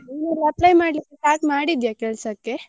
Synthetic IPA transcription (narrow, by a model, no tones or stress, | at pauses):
inulɐplɐjmaːɽlikːetaːkmaːɽid̪jakɛɭsɐkːe